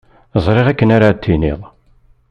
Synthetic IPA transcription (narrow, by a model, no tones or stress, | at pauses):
əzˤɾˤeʁækːənaɾat̪ʰːinḭðˤ